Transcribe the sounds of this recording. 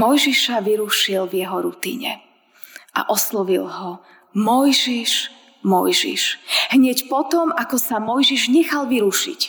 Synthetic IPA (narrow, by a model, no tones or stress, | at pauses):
mɔjʒiʃaʋiɾuʃilvjɛɦɔɾut̪ḭɲɛ̰ | a̰ʔɔslɔʋilɦɔ | mɔjʒiʃ | mɔjʒḭʃɦɲɛcpɔt̪ɔmakɔsamɔjʒiʒɲɛxalʋiɾuʃḭc